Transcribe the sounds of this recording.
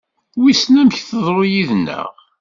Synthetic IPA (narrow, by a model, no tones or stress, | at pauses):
wisnæməçθəðˤɾˤojiðnːə̰ʁ